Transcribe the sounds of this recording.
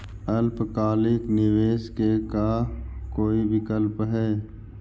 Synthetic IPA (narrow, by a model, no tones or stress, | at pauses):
əlpkaːlɪknɪʋeːskekakoːibɪkəlpɦɛː